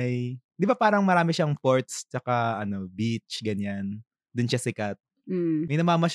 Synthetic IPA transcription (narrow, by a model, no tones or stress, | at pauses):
jd̪ɪbapaːɾɐŋmɐɾaːmɪʃɐŋpoɹt̪̚st͡ʃɐkaɐno̞bit͡ʃɡɐɲan | d̪ʊnʃasɪkat̪̚ | mɐjnɐmaːmɐʃ